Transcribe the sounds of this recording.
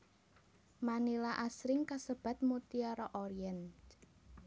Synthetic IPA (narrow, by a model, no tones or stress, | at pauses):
manilaʔasɾɪŋkasəb̥a̤t̪̚mut̪iaɾɔʔɔɾiɛn